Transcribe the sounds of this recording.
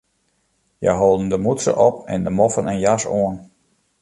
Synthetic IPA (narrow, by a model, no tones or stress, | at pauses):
jɛ̰jɦoːlˠdən̩dəmutsə̰ʔɔp̚ɛ̰ndəmɔfənɛnjasoən